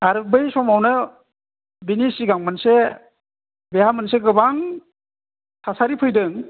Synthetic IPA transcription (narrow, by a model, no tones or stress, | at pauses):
aɾbɯjsɔmawnɯ | binisiɡaŋmanse | beɦamɯnseɡɯbaŋ | sʰasaɾipʰɯjdɯŋ